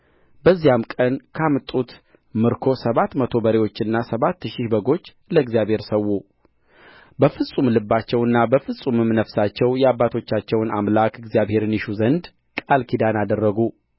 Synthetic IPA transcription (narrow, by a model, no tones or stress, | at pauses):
bəzːijamkʼənkʰamɨt̪ʼut̪ | mɨɾkʰo̞səβat̪mət̪ʰo̞bəɾewo̞t͡ʃːɨnːasəβat̪ːɨʃɪʃbəɡo̞t͡ʃː | ləɨɡzjaβhe̞ɾsəwːu | bəfɨsʼumlɨbːat͡ʃːɛwɨnːabəfɨsʼumɨmnəfsat͡ʃːɛwjɛabːat̪ʰo̞t͡ʃːat͡ʃːɛwna̰mlakʰɨɡzjaβhe̞ɾɨniʃuzənd̪ | kʼalkʰid̪anad̪ərːəɡu